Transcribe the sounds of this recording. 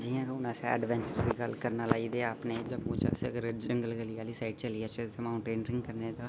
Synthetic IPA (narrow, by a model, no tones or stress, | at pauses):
d͡ʒiːãːɾoːnaːsɛ̰ɛ̰ɖʋɛ̃ːɲt͡ʃəɾd̪iːɡəlkəɾnaːlaːiːd̪eːaːpneːd͡ʒəbmũːt͡ʃə̰səɡəɾd͡ʒəŋɡəlɡəliːaːliːsaːɪʈt͡ʃəliːaːt͡ʃəsemaːuɳʈeːnɾɪ̃ŋɡkəɾneːd̪aː